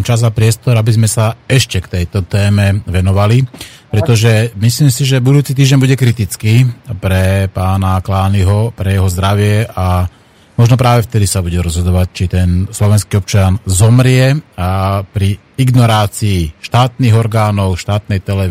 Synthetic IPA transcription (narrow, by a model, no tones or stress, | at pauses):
t͡ʃazapɾɪɛst̪ɔɾabizmɛsaɛʃcɛkt̪ɛjt̪ɔt̪ɛːmɛʋɛnɔʋalipɾɛt̪ɔʒɛmisliːmsiʒɛbud̪uːt͡sit̪iːʒɟɛɲbuɟɛkɾit̪it͡skipɾɛpaːnaklaːniɦɔpɾɛjɛɦɔzd̪ɾaʋɪɛa | mɔʒnɔpɾaːʋɛft̪ɛd̪isabuɟɛɾɔzɦɔd̪ɔʋact͡ʃit̪ɛnslɔʋɛnskiːɔp̚t͡ʃɪanzɔmɾɪɛapɾi | iɡnɔɾaːt͡siːʃt̪aːt̪niːɣɔɾɡaːnɔʊʃt̪aːt̪nɛjt̪ɛlɛ